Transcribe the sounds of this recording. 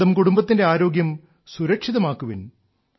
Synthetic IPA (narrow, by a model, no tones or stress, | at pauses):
ɐmkuɽumbɐt̪ːinde̞aːɾo̞ːɡjɐm | suɾɐkʂiðɐmaːkːuʋin